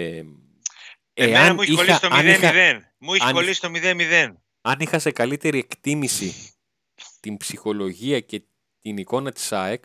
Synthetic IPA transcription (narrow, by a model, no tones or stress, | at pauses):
eɐniiolɐst̪ɐixɐðen | muiçɐolisi̥t̪omiðenmiðen | ɐnixɐse̞kɐlit̪e̞ɾie̞kt̪imisi | t̪imbsixo̞lo̞ʝiɐce̞ | t̪iniko̞nɐt̪i̥sɐek